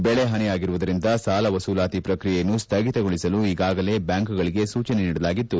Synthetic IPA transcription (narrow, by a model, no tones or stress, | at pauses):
bɛɭe̞ɦɐnɛjaːɡiɾuʋud̪ɐɾind̪ɐsaːlɐʋɐsuːlaːt̪ipɾɐkɾijejɐnːust̪ʰɐɡit̪ɐɡoɭisɐluiɡaːɡɐle̞bjaːŋkuɡɐɭiɡe̞suːt͡ʃɐne̞niːɽɐlaːɡit̪ːu